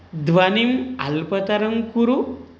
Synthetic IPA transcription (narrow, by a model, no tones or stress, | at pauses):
d̪ʋanima̰lpɐt̪aɾɐŋkuɾu